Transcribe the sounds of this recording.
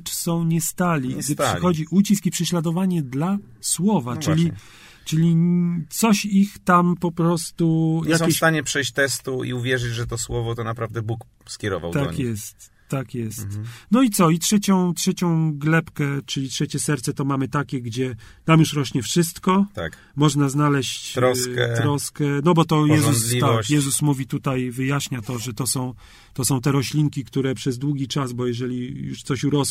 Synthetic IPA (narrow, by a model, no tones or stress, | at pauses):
t͡ʂsɔ̃w̃ɲɛst̪alʲiɡd̪ɘʂɘxɔd͡ʑiʔut͡ɕiskipʂɛɕlad̪ɔvaɲɛd̪la | swɔvat͡ʂɘlʲi | t͡ʂɘlʲit̪sɔɕixt̪ampɔpɾɔst̪ujjakesɕt̪aɲɛpʂɛjɕt͡ɕt̪ɛst̪uḭuvʲjɛʐɘd͡ʑʐɛt̪ɔswɔvɔt̪ɔnapɾavd̪ɛbuk | skʲjɛɾɔ̰va̰wt̪aɔ̰kjɛst̪ː | akjɛst̪nɔit̪sɔitʂɛt͡ɕɔ̃w̃tʂɛt͡ɕɔ̃w̃ɡlɛpkɛt͡ʂɘlʲitʂɛt͡ɕɛsɛɾt̪sɛt̪ɔmamɘt̪akʲɛɡd͡ʑɛnamjuʂɾɔɕɲɛfʂɘst̪kɔt̪a̰k | mɔʐnaznalɛɕt͡ɕ̪ɾɔskɛt̪ɾɔskɛnɔbɔt̪ɔjɛzusʲit̪akjɛzusmuvʲit̪ut̪ajvɘjaɕɲat̪ɔʐɛt̪ɔsɔ̃w̃ | t̪ɔsɔ̃w̃t̪ɛɾɔɕlʲiŋkʲikt̪uɾɛpʂɛzd̪wuɡʲit͡ʂazbɔjɛʐɛlʲijuʂt̪sɔɕuɾɔs